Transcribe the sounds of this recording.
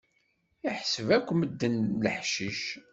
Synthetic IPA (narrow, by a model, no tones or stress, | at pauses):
iħsəvækʷːməd̪ːənləħʃiʃ